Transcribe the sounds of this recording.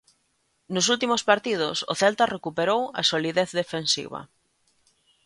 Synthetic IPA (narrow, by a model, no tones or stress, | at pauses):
nʊs̬ult̪imʊspaɾt̪ið̞ʊ̰sʊ̰θelt̪arekupeɾowɐa̰soliðeθðefensḭβɐ̰